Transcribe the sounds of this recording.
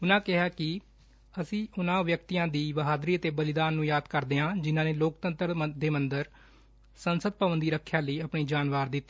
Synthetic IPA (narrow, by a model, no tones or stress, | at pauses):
ʊnãːkɪɦaːkɪ | əsĩːʊnãːʋjək̚t̪iːãːd̪iːʋəɦaːd̪ɾiːət̪eːbəlɪd̪aːnːũːjaːd̪kəɾd̪eːɦãːd͡ʒɪnãːneːloːkt̪ənt̪ɾd̪eːmənd̪əɾ | sənsəd̪̚pəʋənd̪iːɾəkʰːjaːləiːəpɳiːd͡ʒaːnʋaːɾd̪ɪt̪ːeː